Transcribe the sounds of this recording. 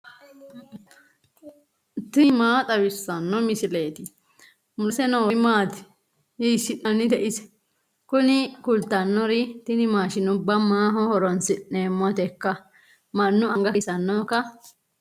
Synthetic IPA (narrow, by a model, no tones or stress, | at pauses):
t̪ɪmaːt̪ʼɐwɪsːɐnːɔmɪsɪle̞ːt̪ɪ | mʊlsɛnɔwɔmaːt̪ɪ̥ | jisːɪnɐnːɪt̪ɛʔɪsɛ̥ | kʊnɪkʊlt̪ɐnːɔɾɪt̪ɪnɪmaːʃɪnʊbːɐmaːɦɔhɔɾɔnsɪneːmːɔt̪ɛkːɐ | mɐnːʊɐŋɡɐɪsɐnːɔkɐ